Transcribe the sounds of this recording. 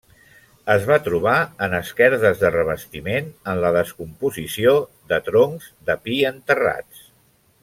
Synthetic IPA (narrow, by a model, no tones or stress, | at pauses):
əzβat̪ɾuβ̞aənəskɛɾðəzðərəβ̞əst̪imenənləðəskumpuzisio | ðət̪ɾoŋzðəpiənt̪əra̰t͡s